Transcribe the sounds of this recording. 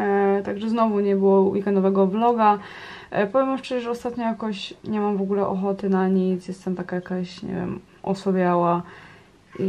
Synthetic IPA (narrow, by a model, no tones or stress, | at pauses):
t̪aɡʐɛznɔvuɲɛbɘwɔwikɛnd̪ɔvɛɡɔblɔɡa | pɔvʲjɛmamʂt͡ʂɛʒɛʐɛɔst̪at̪ɲɔ̃jakɔɕɲɛmamvɔɡulɛʔɔxɔt̪ɘnaɲit̪sjɛst̪ɛmt̪akajakaɕɲɛ̰vʲjɛ̰m | ʔɔ̰sɔbʲjawa | i